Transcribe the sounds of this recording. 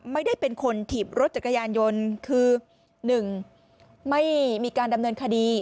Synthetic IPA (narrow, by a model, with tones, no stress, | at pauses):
ma˥˩jda˥˩jpe˧nkʰo˧nt̪ʰiː˨˩p̚ɾo˦˥t̪̚t͡ɕa˨˩t̚kʰa˧jaː˧njo˧nkʰɯː˧ | nɯ˨˩ŋ | ma˥˩jmiː˧kaː˧nda˧mnɤː˧nkʰa˧diː˧